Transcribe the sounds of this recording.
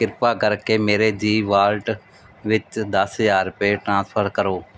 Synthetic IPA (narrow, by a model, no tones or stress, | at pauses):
kɪɾpaːkəɾkeːmeːɾeːd͡ʒiːʋaːlʈ | ʋɪt͡ʃd̪əsɦəjaːɾʊpeːʈɾãːspʰəɾkəɾoː